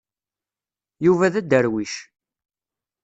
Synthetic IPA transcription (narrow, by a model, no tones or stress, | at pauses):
juvæðæd̪ːəɾwiʃ